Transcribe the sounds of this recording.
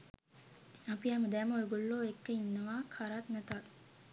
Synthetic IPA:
apiaməd̪æməeɡolːoːekːeinːəʋaːkʰaɾat̪nɛt̪ak

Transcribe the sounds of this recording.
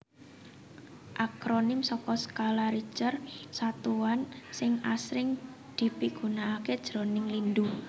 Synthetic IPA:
ʔakɾonɪmsɔkɔsə̥kalaɾi̥t͡ʃərsat̪uwansɪŋasɾɪŋ | d̪̥i̤piɡ̥ṳnaːked̥ʒ̥ɾo̤nɪŋlind̪u

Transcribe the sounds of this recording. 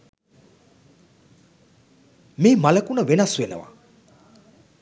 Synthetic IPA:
memalɐkunəwenasuenə̰wa̰

